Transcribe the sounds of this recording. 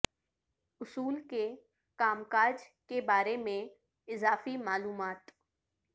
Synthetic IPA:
ʊsuːlke | kaːmkaːd͡ʒkebaːɾemẽ | ɪzaːfimaːluːmaːt̪

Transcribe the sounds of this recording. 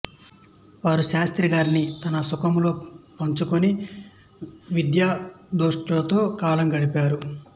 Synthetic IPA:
ʋaːɾuʃaːst̪ɾiɡaːɾinit̪ɐnɐsukɐmlo̞ːpɐɲt͡ʃukuni | ʋid̪jaːd̪oːʂʈɐt̪o̞ːkaːlɐŋɡɐɽipaːɾu

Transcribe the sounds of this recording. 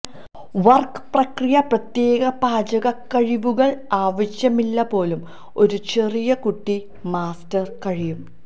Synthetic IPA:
ʋɐrkɨ̥prɐkrijɐprɐt̪je̞ːɣɐbaːd͡ʑɐɣɐkːɐɻiʋuɣɐɭaːʋɐɕjɐmilːɐpo̞ːlum | o̞ɾut͡ɕe̞rijɐkuʈːi | maːstɐrkɐɻijum

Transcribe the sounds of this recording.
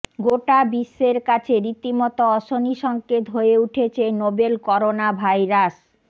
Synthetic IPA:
ɡoʈabiʃːeɾkat͡ɕʰeɾit̪imɔt̪oɔʃoniʃɔŋket̪ɦoeuʈʰet͡ɕʰenobelkɔɾonabʱajɾas

